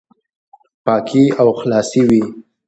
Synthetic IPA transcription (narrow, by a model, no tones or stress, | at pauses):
pɑkʰiawxlɑsiwi